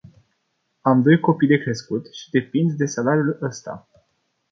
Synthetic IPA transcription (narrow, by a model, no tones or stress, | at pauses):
amd̪o̞jko̞pijd̪e̞kɾe̞skut̪ʃi̥d̪e̞pind̪d̪e̞salaɾiuləst̪a̰